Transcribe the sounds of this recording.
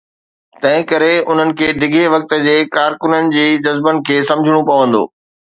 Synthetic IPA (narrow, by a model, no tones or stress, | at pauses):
t̪ɐ̃ɦɪ̃kɐɾeʊn̤ənɪ̆kʰeːɖʱɪɡʱeʋɐk̚t̪ə̆d͡ʑeːkaːɾkʊnənɪ̆d͡ʑiːd͡ʑɐzbənɪ̆kʰeːsɐ̃md͡ʑʱɪɽ̃õpɐʋə̃nd̪o̰ː